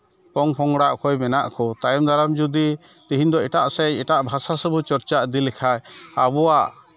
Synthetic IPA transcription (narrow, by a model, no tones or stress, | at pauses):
pɔŋpʰɔŋɡɽaʔkʰɔjmɛnaʔkʰɔt̪ajɔmd̪ʱaɾamd͡ʒud̪i | t̪iɦiɲd̪ɔɛʈaʔsɛɛʈaʔbʱasasəbut͡ʃɔɾt͡ʃaʔd̪ilɛkʰajabɔwaʔ